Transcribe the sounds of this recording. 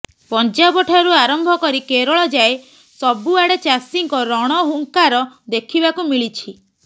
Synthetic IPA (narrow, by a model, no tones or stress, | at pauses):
pɔnt͡ʃabɔʈʰaɾuaɾɔmbʱɔkɔɾikeɾɔɭɔd͡ʒae | sɔbuaɽet͡ʃasiŋkɔɾɔɽ̃ɔɦuŋkaɾɔd̪ekʰibakumiɭit͡ʃʰi